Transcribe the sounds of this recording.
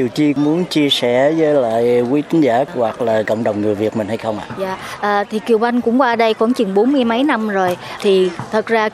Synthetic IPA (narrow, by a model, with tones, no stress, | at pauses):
ɗi˨˩əwt͡ɕi˧mu˨˦ənt͡ɕi˧əsɛ̰˧˩zəː˨˦jla̰ː˧˨jkwi˨˦t̪ʰi˨˦ŋ̟zaː˧˩wa˨˩k̚laː˨˩kə̰˧˨wŋ͡mɗə˨˩wŋ͡mŋɨ˨˩əjvi˨˩ət̚mï˨˩nha˧jxə˧wŋ͡mʔa̰ː˧˨zaː˧˨ʔʔəː˨˩t̪ʰi˨˩ki˨˩əwa˧jŋ̟kʊ̰˧˥ŋ͡mkwaː˧ɗə˧jkə˧˥nt͡ɕɨ˨˩ŋɓo˨˦nmɨ˧əjmə˨˦jna˧mzo˨˩jt̪ʰi˨˩t̪ʰə˨˩t̚zaː˧